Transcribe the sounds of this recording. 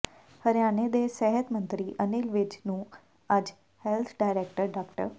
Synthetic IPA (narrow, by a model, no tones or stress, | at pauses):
həɾjaːned̪eːsɛɦət̪mə̃nt̪ɾiːʔənɪlʋɪd͡ʒnũː | əd͡ʒ | hɛlt̪ʰɖaːɪɾeːkʈəɾɖaːkʈə̰ɾ